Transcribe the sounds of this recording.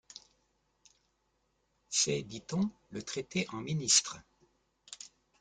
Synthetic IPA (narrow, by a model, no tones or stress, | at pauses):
sɛd̪it̪ɔ̃lət̪χet̪eʔɑ̃minist̪χ